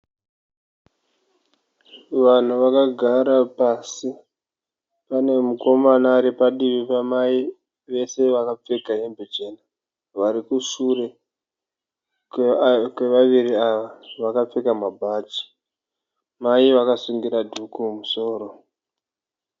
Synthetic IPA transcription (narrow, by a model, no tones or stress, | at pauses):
ʋan̤uʋakaɡʱaɾapasi | pane̞muko̞manaɾipaɗiʋipamai | ʋe̞se̞ʋakap͡feɡaembud͡ʒena | ʋaɾikuʂure̞ | kwe̞ʋaʋiɾiaʋaʋakap͡fekamabʱat͡ʃi̥ | maiʋakasuŋɡiɾadʱukumuso̞ːro̞